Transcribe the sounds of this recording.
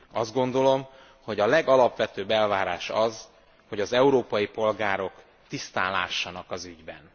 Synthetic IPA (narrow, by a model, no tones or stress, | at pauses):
ɒzd̪̚ɡo̞nd̪o̞lo̞m | ho̞ɟɒlɛɡɒlɒpʋɛt̪øːbɛlvaːɾaːʃɒz | ho̞ɟɒzɛuɾoːpɒjipo̞lɡaːɾo̞k | t̪ist̪a̰ːla̰ːʃːɒnɒkɒzyɟbɛ̰n